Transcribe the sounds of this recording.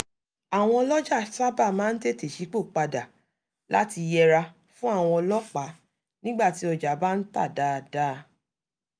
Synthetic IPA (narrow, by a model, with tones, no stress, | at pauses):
a˨w̃ɔ̃˧ɔ˧lɔ˦d͡ʒa˦˨sa˦ba˦˨mãː˦n̩˦de˦˨te˨ʃi˨˦k͡po˦˨k͡pa˧da˨ | la̰˦ti˧jɛ˧ɾa˧ | fũ˦a˦˨w̃ɔ̃˧ɔ˧lɔ˦k͡pa˨˦ | nĩ˦ɡ͡ba˦˨ti˨˦ɔ˧d͡ʒa˨ba˦n̩˦ta̰˦˨da˦˧da˦˧